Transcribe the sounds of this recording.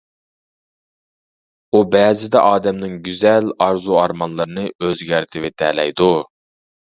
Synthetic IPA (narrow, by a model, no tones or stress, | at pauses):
ubɛːzɪd̪ɛ̰ʔɑːd̪ɛmnɪŋɡʲyzɛlɑɾzuɑɾmɑnlˠɨɾɨnɨøzɡʲæɾt̪ʰɪvɪt̪ʰɛlɛjd̪u